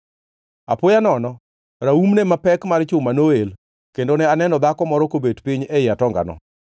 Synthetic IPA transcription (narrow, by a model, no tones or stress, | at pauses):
apʊjanɔnɔ | ɾaumnemapɛkmaɾt͡ʃʊmanoel | kendonɛanɛnɔd̪akɔmɔɾɔkobedpɪɲɛjatɔŋɡa̰nɔ̰